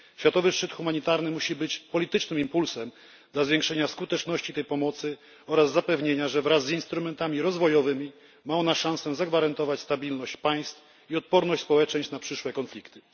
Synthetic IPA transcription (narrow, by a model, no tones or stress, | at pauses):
ɕfʲjat̪ɔvɘʂt͡ʂɘt̪xumaɲit̪aɾnɘmuɕibɘt͡ɕpɔlʲit̪ɘt͡ʂnɘmimpulsɛm | d̪lazvʲjeŋkʂɛɲaskut̪ɛt͡ʂnɔɕt͡ɕit̪ɛjpɔmɔt̪sɘ | ɔɾazːapɛvɲeɲaʐɛvɾasːinst̪ɾumɛnt̪amʲiɾɔzvɔjɔvɘmʲi | maɔnaʂãw̃sɛzaɡvaɾant̪ɔvat͡ɕst̪abʲilnɔɕt͡ɕpaj̃st̪f | iɔt̪̚pɔɾnɔɕt͡ɕ̪ʲspɔwɛt͡ʂɛɲɕt͡ɕnapʂɘʂwɛkɔnflʲikt̪ɘ̥